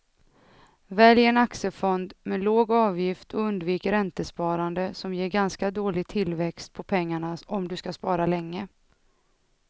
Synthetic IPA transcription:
vɛljɛnaksəfɔnd̪mɛloːɡɑːvjɪft̪ʰɔɵnd̪viːkəɾɛnt̪əspɑːɾand̪əsɔmjeːɾɡanskad̪oːlɪɡ̚t̪ʰɪlvɛkst̪̚pʰɔpʰɛŋːaɳaɔmd̪ɵskaspɑːɾalɛŋːə

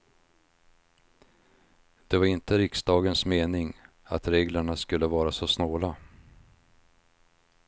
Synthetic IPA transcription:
d̪̥ɛvaɾɪnt̪əɾɪksd̪ɑːɡənsmeːnɪŋ | a̰t̪ɾeːɡləɳaskɵlːəvɑːɾasɔsnoːla

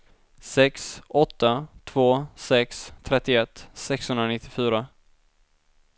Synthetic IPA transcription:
sɛksɔt̪ːat̪ʰv̥oːsɛkst̪ʰɾɛt̪ːɪɛt̪ːsɛkshɵnd̪ɾanɪt̪ːɪfyːɾa

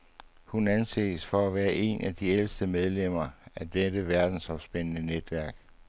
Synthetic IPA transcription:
hunænsḛːsfɒ̽æʋæːɐʔe̝nʔæd̥iel̰sd̥əmeð̞ˠlem̰ɐæd̥edəʋæɐd̥n̩sɒ̽msb̥enənəned̥ʋæɐɡ̥

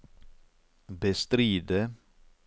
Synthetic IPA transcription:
bəst̪ɾiːd̪ə

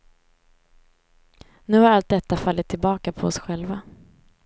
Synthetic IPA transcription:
nʉ̟ːhaɾalt̪̚d̪ɛt̪ːafalːɪt̪ʰːɪlbɑːkapʰɔɔsɧɛlva

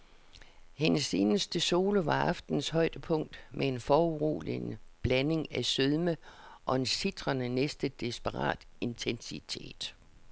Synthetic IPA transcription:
he̝nəse̝ːnəsd̥əso̝ːləʋɑ̈ɑfd̥n̩shɒ̽ɪd̥əpʰɔ̽ŋ̰d̥mʔee̝nfɒːuʁṵːlḭnb̥læne̝ŋæsøðˠməʔɒ̽e̝nsid̥ʁɐnənesd̥əd̥isb̥əʁɑ̰̈ːd̥e̝nt͡sʰensit͡sʰe̝̰ːd̥

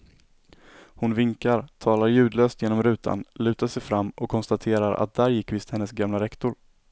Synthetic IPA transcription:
hʊnvɪŋkaɾt̪ʰɑːlaɾjʉ̟ːd̪løːst̪jeːnɔmɾʉ̟ːt̪ʰa̰nlʉ̟ːt̪aʂɛjfɾamːʔɔkʰːɔnst̪at̪ʰeːɾaɾa̰t̪̚d̪æːɾjɪkːvɪst̪hɛnːəsɡamlaɾɛkt̪ʊɾ

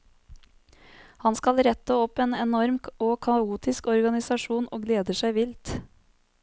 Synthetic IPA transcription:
hɑnskɑlɾɛt̪əɔpeːnɛnɔɾmoːkʰɑuːt̪ɪskɔɾɡɑnɪsɑʃuːnʔoːɡleːd̪əʃæɪʋɪlt̪

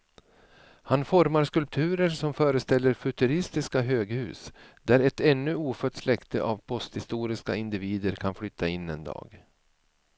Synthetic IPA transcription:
hanfɔɾmaɾskɵlp̚t̪ʰʉ̟ːɾəɾsɔmfœːɾəst̪ɛlːəɾfɵt̪ɵɾɪst̪ɪskaɦøːɡhʉ̟̰ːsd̪æɾɛt̪ɛnːɵuːfœʈ̪ːslɛkt̪əʔavpʰɔst̪hɪst̪uːɾɪska̰ɪnd̪ɪviːd̪əɾkʰanflʏt̪ʰːaɪnːɛnd̪ɑ̰ːɡ

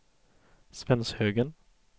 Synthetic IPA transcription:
svɛnshøːɡən

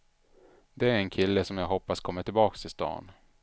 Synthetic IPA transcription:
d̪ɛæɾɛnkʰɪlːəsɔmjaːɡɦɔpːaskʰɔmːəʈ̪ʰɪlbɑːkst̪ʰɪst̪ɑ̰ːn

